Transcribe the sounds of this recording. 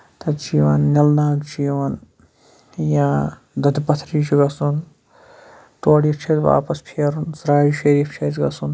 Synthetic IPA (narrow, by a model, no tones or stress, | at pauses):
t̪ɐd͡ʒiːʋɐnnɐlnaːɡd͡ʒiːʋɐn | jãː | d̪ɐd̪pɐt̪ʰɾiːt͡ʃiɡɐsun | t̪oːɽiːt͡ʃʰɐt̪ʋa̰ːpɐspʰɐɾunsɾaːjiʃɐɾiːft͡ʃʰɐːzɡɐsun